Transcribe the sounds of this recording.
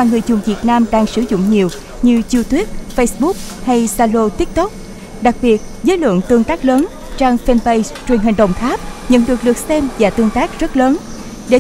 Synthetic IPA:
waː˨˩ŋɨ˨˩əjzʊ˨˩ŋvi˨˩ət̚naː˧mɗaː˧ŋsɨ˧˩zʊ̰˧˨ŋ͡mɲi˨˩əw | ɲɨ˧t͡ɕu˧t̪wi˦˥p̚fə˧jsɓu˦˥k̚ha˧jsaː˧lo˧t̪i˦˥k̚t̪o˦˥k͡p̚ | ɗa˨˩k̚ɓi˨˩ət̚zəː˨˦jlwə̰˧˨əŋt̪ɨ˧əŋt̪aː˦˥k̚ləː˨˦n | t͡ɕaː˧ŋfɛ˧nvə˧j | t͡ɕwi˨˩əŋɦi˨˩ŋ̟ɗə̰˨˩wŋ͡mt̪aː˦˥p̚ɲə̰˧˨nɗɨ˨˩ək̚ɗɨ˨˩ək̚sɛ˧mvaː˨˩t̪ɨ˧əŋt̪aː˦˥k̚zə˦˥t̚ləː˨˦n | ɗe˧˩

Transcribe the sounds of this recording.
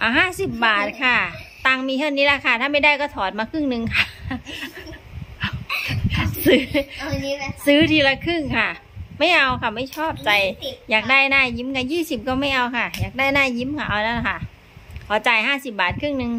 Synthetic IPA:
ʔaː˨˩ɦaː˥˩si˨˩p̚baː˨˩t̪̚kʰa˧˥˩t̪aː˧ŋmiː˧t̪ʰa˥˩wniː˦˥la˧˥˩kʰa˧˩t̪ʰaː˥˩ma˥˩jdaː˥˩jkɔː˥˩t̪ʰɔː˨˩˦t̪̚maː˧kʰɯ˥˩ŋnɯ˧ŋkʰa˥˩˧ | sɯː˦˥ | sɯː˦˥t̪ʰiː˧la˧kʰɯ˥˩ŋkʰa˥˩ma˥˩jʔa˧wkʰa˧˥˩ma˥˩jt͡ɕʰɔː˥˩p̚t͡ɕa˧jjaː˨˩k̚daː˥˩jnaː˧˥˩ji˦˥mkʰa˧˩jiː˥˩si˨˩p̚kɔː˥˩ma˥˩jʔa˧wkʰa˥˩jaː˨˩k̚daː˥˩jnaː˧˥˩ji˦˥mkʰa˧˥˩ʔa˧wna˧˥˩la˧˩kʰa˥˩ | kʰɔː˨˩˦t͡ɕaː˧˩jhaː˥˩si˨˩p̚baː˨˩t̪̚kʰɯ˥˩ŋnɯ˧ŋ

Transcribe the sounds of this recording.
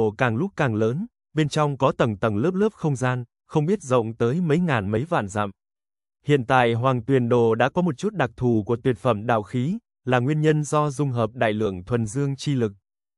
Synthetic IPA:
kaː˨˩ŋlʊ˦˥k̚kaː˨˩ŋləː˨˦n | ɓe˧nt͡ɕɔ˧wŋ͡mkɔ˨˦t̪ə˨˩ŋ͡mt̪ə˨˩ŋlɨ˦˥əp̚lɨ˦˥p̚xə˧wŋ͡mzaː˧n | xə˧wŋ͡mɓi˦˥ət̚zə̰˧˨wŋ͡mt̪əː˨˦jmə˨˦jŋaː˨˩nmə˨˦jva̰ː˧˨nza̰ː˧˨m | hḭ˧˨ənt̪a̰ː˧˨jɦwaː˨˩ŋt̪wi˨˩ənɗo̰˧˩ɗa̰ː˧˥kɔ˨˦mo˨˩t̚t͡ɕu˦˥t̚ɗa˨˩k̚t̪ʰu˨˩ku˧˩ət̪wi˨˩ətfə˧˩mɗa̰ː˧˨wxi˨˦ | laː˨˩ŋwi˧ənɲə˧nzɔ˧zʊ˧ŋ͡mɦəː˨˩p̚ɗa̰ː˧˨jlɨ̰˧˨əŋt̪ʰwə˨˩nzɨ˧əŋt͡ɕi˧lɨ˨˩k̚

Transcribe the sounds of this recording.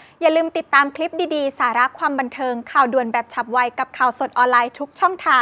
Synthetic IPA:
jaː˨˩lɯː˧mt̪i˨˩t̪ːaː˧mkʰli˦˥p̚diː˧diː˧saː˩˦ɾa˦˥kʰwaː˧mba˧nt̪ʰɤː˧ŋkʰaː˨˩wdu˨˩ənbɛː˨˩p̚t͡ɕʰa˨˩p̚wa˧jka˨˩p̚kʰaː˨˩wso˨˩t̪̚ʔɔː˧nlaː˧jt̪ʰu˦˥k̚t͡ɕʰɔ˥˩ŋt̪ʰaː˧ŋ

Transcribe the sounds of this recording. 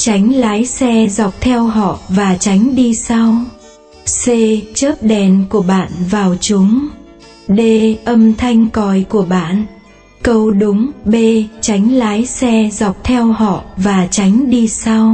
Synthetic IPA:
t͡ɕa˨˦jŋ̟laː˨˦jsɛ˧zɔ˨˩wk͡p̚t̪ʰɛ˧wɦɔ̰˧˨vaː˨˩t͡ɕa˨˦jŋ̟ɗi˧sa˧w | se˧t͡ɕəː˦˥p̚ɗɛ˨˩nku˧˩əɓa̰ː˧˨nvaː˨˩wt͡ɕʊ˨˦ŋ͡m | ɗe˧ʔə˧mt̪ʰa˧jŋ̟kɔ˨˩jku˧˩əɓa̰ː˧˨n | kə˧wɗʊ˨˦ŋ͡mɓe˧t͡ɕa˨˦jŋ̟laː˨˦jsɛ˧zɔ˨˩wk͡p̚t̪ʰɛ˧whɔ̰˧˨vaː˨˩t͡ɕa˨˦jŋ̟ɗi˧sa˧w

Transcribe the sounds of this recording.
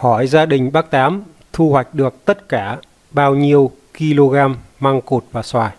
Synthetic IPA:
hɔ˧˩jzaː˧ɗï˨˩ŋ̟ɓaː˦˥k̚t̪aː˨˦m | t̪ʰu˧hwa˨˩jk̟̚ɗɨ˨˩ək̚t̪ə˦˥t̚kaː˧˩ | ɓaː˧wɲi˧əw | ki˧lo˧ɣaː˧mːa˧ŋko˨˩t̚vaː˨˩swaː˨˩j

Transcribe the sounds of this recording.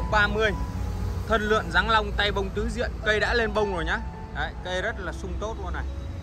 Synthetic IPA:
ɓaː˧mɨ˧əjt̪ʰə˧nlɨ̰˧˨ənza˨˦ŋla˧wŋ͡mt̪a˧jɓə˧wŋ͡mt̪ɨ˨˦zḭ˧˨ənkə˧jɗa̰ː˧˥le˧nɓə˧wŋ͡mzo˨˩jɲaː˨˦ | ɗə˧˩˨jkə˧jzə˦˥t̚laː˨˩sʊ˧ŋ͡mt̪o˦˥t̚laː˧˩na˨˩j

